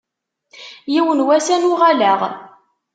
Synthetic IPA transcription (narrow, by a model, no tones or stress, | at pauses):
jiwənwæsænʊʁalæʁ